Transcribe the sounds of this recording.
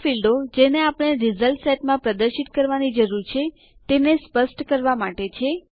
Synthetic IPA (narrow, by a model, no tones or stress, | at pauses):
filɖod͡ʒeneapəɽ̃eɾizəlʈsɛʈmãpɾəd̪əɾʃit̪kəɾʋanid͡ʒəɾuɾt͡ʃʰe | t̪enespəsʈkəɾʋamaʈet͡ʃʰe